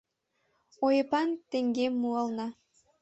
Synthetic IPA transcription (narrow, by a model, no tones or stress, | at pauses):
ojepɑnt̪eŋɡemːuɑlnɑ